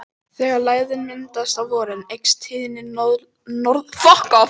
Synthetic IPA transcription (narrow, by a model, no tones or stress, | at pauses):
θɛɣalaːjðʏnmɪnt̪ast̪avɔːɾɪnejkst̪ʰɪːðɪnɪnð | nɔɾðfɔhka